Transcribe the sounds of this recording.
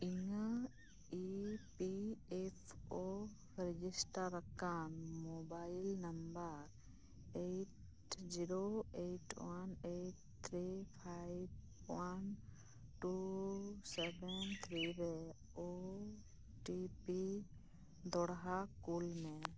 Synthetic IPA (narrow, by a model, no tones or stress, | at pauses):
iŋa | ipiɛpʰo | ɾɛd͡ʒisʈaɾːəkanmobajilnəmbaɾ | eʈ | d͡ʒiɾoeʈwaneʈ | t̪ʰɾipʰajb | wan | ʈu | sɛbɛnt̪ʰɾiɾɛ | o | ʈipi | d̪ɔɽɦakulmɛ